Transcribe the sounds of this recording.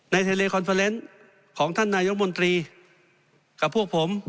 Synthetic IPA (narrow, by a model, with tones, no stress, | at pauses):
na˧jt̪ʰaː˧leː˧kʰɔ˧nfʰa˧le˦˥n | kʰɔː˩˦ŋt̪ʰa˥˩nːaː˧jo˦˥k̚mo˧nt̪ɾiː˧ | ka˨˩pʰːu˥˩k̚pʰo˩˦m